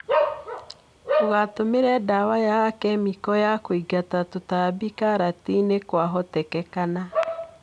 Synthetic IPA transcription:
toɣatomeɾɛdawajakɛmikɔjakoiɡatatotabikaɾatinekwaɦɔtɛkɛkana

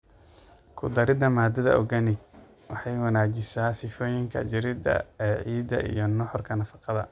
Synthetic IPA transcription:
kʰʊd̪ɐɾɪd̪ɐmaːd̪ɐðɐ̰ʔɔ̰ɡɐnɪɡ | wɑħɑjwɐnaːt͡ʃɪsaːsɪfɔːjɪŋkʰɐ̰t͡ʃɪɾɪd̪ɐ̰ɛːʕiːd̪ɐ̰ʔḭjɞnɔħɔrkʰɐnɐfɑqɑðɐ̰

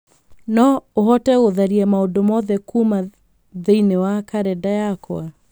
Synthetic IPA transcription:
nɔoɦɔtɛɣoðaɾiamaodomɔðɛkuma | ðeinewakaɾɛdajakwa

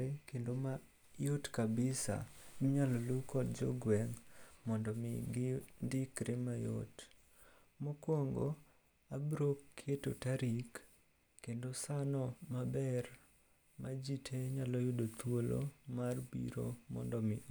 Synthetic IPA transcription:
ekendoma | jotkabɪsa̰mɲalɔlukɔt̚d͡ʒɔ̰ɡwɛŋmɔndɔmɪɡɪndɪkɾɪmajo̰t | mokwoŋɡo | abɾokːʰetotaɾikː | endosanɔmabɛr | mad͡ʒitʰeɲalɔjodot̪wolo̰marbḭɾo̰mɔ̰ndɔmɪʔ

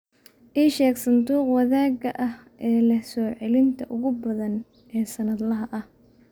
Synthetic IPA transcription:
ʔiːʃɛːɡsɐnd̪uːqwɐðaːɡɐʔɐhʔɛːlɐsɔːʕɛlɪnt̪ʰɐʔʊɣʊbɐðɐn | ɛːsɐnɐd̪lɐɦɐʔɐh

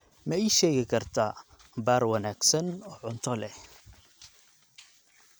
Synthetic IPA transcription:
mɛiʃɛːɣɪkʰɐrt̪ʰa | baːɾwɐnaːɡsɐnɔːʕʊnt̪ʰɔlɛh

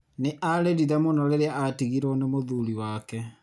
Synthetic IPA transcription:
neʔaɾeɾiðɛmonɔɾeɾeaatiɣiɾɔnemoðuɾiwaːkɛ

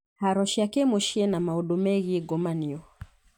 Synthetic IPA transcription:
haɾɔʃiakɛmɔʃɛnamaɔɗɔmɛɣiɡɔmaniɔ

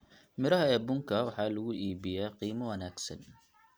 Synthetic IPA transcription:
miɾɑhajabʊŋkawħaluʔiːbijaqiːmawanaksa̰n

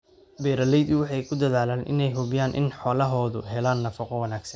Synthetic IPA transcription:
bɛːɾɐlɛjd̪ʊwɑħɑjkʰʊd̪ɐðaːlaːnʔɪ̰nɛjɦʊβɪjaːnʔɪ̰nħɔːlɐɦɔːðʊ̰ɦɛlaːnːɐfɐqɔwɐnaːɡsɐnn

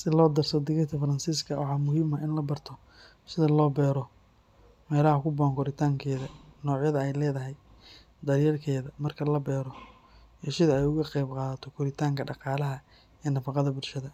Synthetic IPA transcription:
sɪlɔːd̪ɐrsɐd̪ɪɣɛt̪ʰɐfɐɾɐnsiːskʰɐwʔɑ̰ħɑːmʊɦiːmɐɪnlɐbɐrt̪ʰɔ | sɪðɐlɔːbɛːɾɔ | mɛːlɐhɐkʰʊbɔːŋkʰɔɾɪt̪ʰaːŋkʰɛːðɐnɔːʕjɐðɐɛjlɛːðɐɦɛj | d̪ɐrjɐrkʰɛːðɐmɐrkʰɐlɐbɛːɾɔ | iʃɪðɐɛjʊɣɐqɛjbqɑːðɐt̪ʰɔkʰʊɾɪt̪ʰaːŋkʰɐɖɑqɑːlɐɦɐ | ɛːnɐfɑqɑðɐbʊlʃɐðɐ

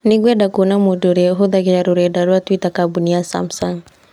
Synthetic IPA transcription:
niɡwɛdakunamɔdɔɾiɦɔðakɛjaɾuɾɛdaɾwatwitakabuniasa̰msaŋ

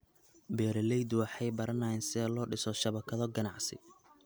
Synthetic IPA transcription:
bɛːɾɛlɛjd̪wɑħɑjbɐɾɐnɐjɛnsɛlɔːɖɪsɔʃɐβɐkʰɐðɔɡɐnɑʕsɪ̰

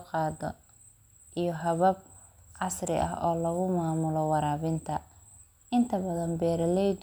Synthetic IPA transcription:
qɑːdɔ | ʔijɞɦɐβɐb̚ | ʕɑsrɪ̰ʔɐ̰ɦɔːlɐɣʊmaːmʊlɔwɑɾaːβɪnt̪ʰɐ | ɪnt̪ʰɐbɐðɐnbɛːɾɐlɛjd̪

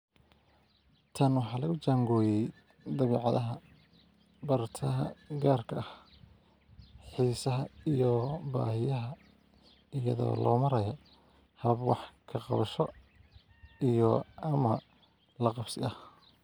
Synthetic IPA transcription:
t̪ʰɐnwɑħɑːlɐɣʊt͡ʃaːŋɡɔːjɛj | d̪ɐβiːʕɑðɐɦɐ | bɐrt̪ʰɐɦɐɡaːrkʰɐʔh | ħiːsɐɦɐijɔba̰ːhɪjɐɦɐ | ɪjɐ̰ðɔ̰ːlɔ̰ːmɐɾɐjɔ | hɐβɐbwɑ̰ħkʰɐqɑ̰βɐʃɔ | ijɔɐmɐ | lɐqɑbsɪʔɐh

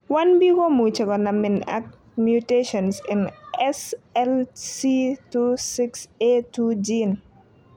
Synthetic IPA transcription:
wanbiɡomut͡ʃekɔnamɪna̰k̚ | mjuteʃɔnsɪnɛsɛlsitusɪksetud͡ʒin

